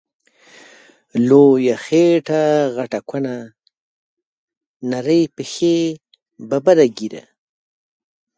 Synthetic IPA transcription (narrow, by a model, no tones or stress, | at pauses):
lojaxeʈaɣaʈakʷʰana | naɾəjpəxe | babaɾaɡiɾa̰